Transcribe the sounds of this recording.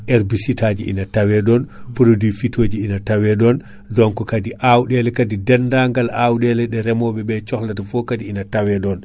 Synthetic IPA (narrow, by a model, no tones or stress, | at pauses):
ʔɛɾbisitaːd͡ʒiḭnatawɛɗɔnpuɾodifitʰoːd͡ʒiinatawɛɗɔn | dɔnkɔkadiʔawɗɛlɛkadidɛndaŋɡalawɗɛlɛɗɛɾɛmɔɓɛɓɛt͡ʃɔxlatafɔkadiinatawɛɗɔn